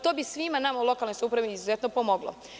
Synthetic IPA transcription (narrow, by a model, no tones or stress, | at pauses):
t̪o̞ːbisʋimanamaulˠo̞kalnojsupɾaʋiiːzuzet̪nopomoɡlo̰